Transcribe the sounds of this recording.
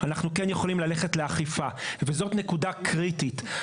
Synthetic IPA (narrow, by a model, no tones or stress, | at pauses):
anaχnukenjeχo̞limlaleχetleaχifavezo̞tnekudakʁitit